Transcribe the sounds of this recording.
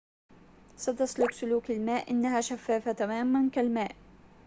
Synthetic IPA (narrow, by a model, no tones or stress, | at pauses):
sat̪aslʊksʊluːkalmaːʔʔɪ̰nːahaːʃafːaːfat̪amaːmankalmaːʔ